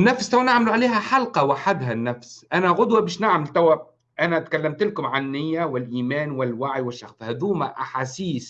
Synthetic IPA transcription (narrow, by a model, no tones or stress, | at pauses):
nːæfst̪æwænaʕmɪluʕaleːɦæħɑlqɑwɪħad̪ɦænːæfsʔænæɣʊd̪wabɪːʃnaʕmɪlt̪æwæ | ʔænæt̪kælːæmt̪ɪlkʊmʕanːɪjːæwɪlʔiːmæːnwɪlwaʕjwɪʃːaxshæd̪uːmæ̰ʔaħaːsiːs